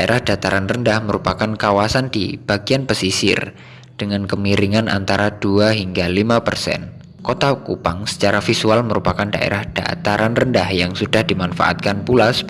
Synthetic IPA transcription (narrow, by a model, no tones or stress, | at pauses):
daʔeɾʔahd̥at̪aɾanrəndahməɾupakankawasandḭb̥aɡianpəsisɪ̰r | d̥əŋankəmiɾiŋanʔa̰nt̪aɾad̥uaɦiŋɡalimapərsɛ̰n | kot̪akupaŋsə̥t͡ʃaɾafisualməɾupakandaʔḛɾahd̥a̰t̪aɾanrəndahjaŋsudahdimanfa̰ʔa̰t̪̚kanpulas